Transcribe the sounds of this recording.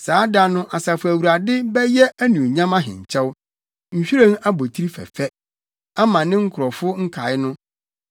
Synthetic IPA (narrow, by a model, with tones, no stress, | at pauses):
saː˨˦da˦nʊ̃˦ʔa˨sa˨fʊ˨æ˨wu˨ɾa˨dɪ˦bɛ˦jɛ˦æ˦nũ˨ɲã˦mã˦ɦɪ̰̃˨ɲ̩˨t͡ɕʰɛ˦w | ɲ̩˨ɕᶣi˦ɾẽ˦ŋa˦bo˨tʰi˦ɾi˦fɛ̰˨fɛ˦ | a˦mã˨nɪ̃˦ŋ̩˦kʰʊ˨ɾɔ˨fʊ˦ŋ̩˦kʰa˨ɪ˦nʊ̃˦